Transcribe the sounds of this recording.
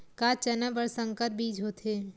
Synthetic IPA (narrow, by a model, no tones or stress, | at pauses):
kaːt͡ʃɐnabəɾsə̃ŋkət̪̚biːd͡ʒɦoːt̪ʰeː